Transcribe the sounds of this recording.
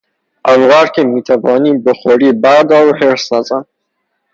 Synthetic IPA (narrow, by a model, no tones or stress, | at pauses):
awɣɑɾkemit̪abɑnibəxoɾibad̪awheɾsazan